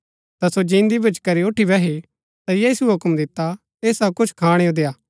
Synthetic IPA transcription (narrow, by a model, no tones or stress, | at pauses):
t̪asod͡ʒĩːnd̪ibʊd͡ʒkɐɾioːʈʰibɛɦe | t̪ajiːsuɦʊkmd̪ɪt̪ːa | eːsɐbkʊt͡ʃʰkʰaːɽ̃eõd̪eːjaː